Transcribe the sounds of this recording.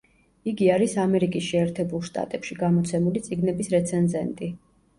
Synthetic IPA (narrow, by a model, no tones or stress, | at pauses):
iɡiaɾisamɛɾikʼisʃɛːɾt̪ʰɛbulˠʃt̪ʼa̰t̪ʼɛpʃiɡamɔt̪sʰɛmulit̪sʼiɡnɛbisɾɛt̪sʰɛnzɛnt̪ʼi